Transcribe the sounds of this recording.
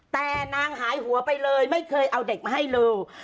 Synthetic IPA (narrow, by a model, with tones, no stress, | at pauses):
t̪ɛː˨˩naː˧ŋɦaː˩˦jɦu˩˦ɐpa˧jlɤː˧jma˥˩jkʰɤː˧jʔa˧wde˨˩k̚ma˧ɦa˥˩jlɤː˧w